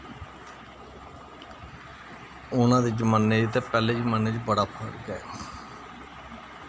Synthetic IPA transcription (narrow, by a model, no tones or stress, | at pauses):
ʊnãːd̪iːd͡ʒmanːeːt̪eːpɛːleːd͡ʒmanːeːd͡ʒbəɽaːpʰəɽɡɛː